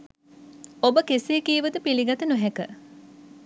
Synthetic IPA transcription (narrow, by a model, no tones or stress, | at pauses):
obəkeseːkiːʋəd̪əpiliɡɐt̪ənuɦɛkə